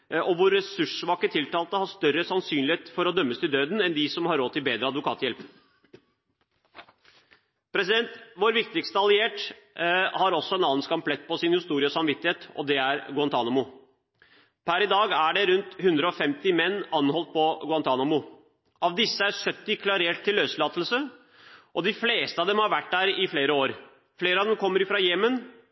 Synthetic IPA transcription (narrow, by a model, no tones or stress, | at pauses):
ʔɔʋʊɾɛsʉʂʋɑːkət̪ʰɪlt̪ɑːlt̪əhɑʂt̪œɾəsɑnsyːnlɪheːt̪fɔɾɔd̪œmːəst̪ɪld̪øːd̪n̩ɛnd̪ɪsɔmhɑɾoːt̪ːɪlbeːd̪ɾəɑd̪ʋʊkʰɑ̰ːt̪jɛlp | pʰɾɛsɪd̪ɛnt̪ʋoːɾʋɪk̚t̪ɪkst̪əɑlɪeːʈ | hɑɾɔsːɔɛnɑːənskɑmplɛt̪̚ːpɔsɪnhɪst̪uːɾɪəɔsɑmʋɪt̪ːɪheːt̪ɔ̰d̪ɛæɾɡʊɑnt̪ʰɑːnɑmʊ | pʰæɾɪd̪ɑːɡæɖɛɾʉnt̪hʉnd̪ɾəɔfɛmt̪ɪmɛnːɑnːɦɔlt̪̚pʰɔɡʊɑnt̪ʰɑːnɑmʊ | ʔɑʋd̪ɪsːəæɾsœt̪ːɪkʰlɑɾeːʈt̪ʰːɪlːøːslɑːt̪əl̩sə | ʔɔd̪ɪfleːst̪əɑʋd̪ɛmhɑɾʋæʈːd̪æːɾɪfleːɾəoːɾ | fleːɾəɑʋd̪ɛmkʰɔmːəɾɪfɾɑjeːmən